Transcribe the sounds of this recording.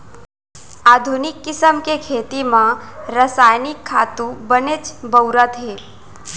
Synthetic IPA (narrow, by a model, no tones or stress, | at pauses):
aːd̪ʱunɪkːɪsəmkekʰeːt̪imãɾəsaːjnɪkʰːaːt̪ũbənet͡ʃbəwɾət̪ɦeː